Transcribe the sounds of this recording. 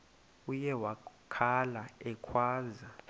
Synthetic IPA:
ujɛwakʰalaɛkʰwaːza

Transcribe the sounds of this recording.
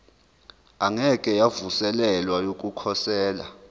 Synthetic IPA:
aŋɛkʼɛjavusɛlɛlwajok̬ʼukʰɔsɛːla̰

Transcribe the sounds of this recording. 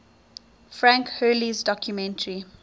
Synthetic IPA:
fɹãŋkhɜːlizdɔkʰjumɛ̃ntəɹi

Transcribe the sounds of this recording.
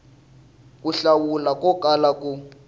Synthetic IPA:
k̬ʼuɬawulakʼɔkʼalakʼu

